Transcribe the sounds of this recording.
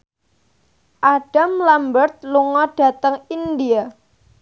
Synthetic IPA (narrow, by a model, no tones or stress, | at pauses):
ʔaɖ̥amlambərt̪̚luŋɔɖ̥a̤t̪əŋind̪ia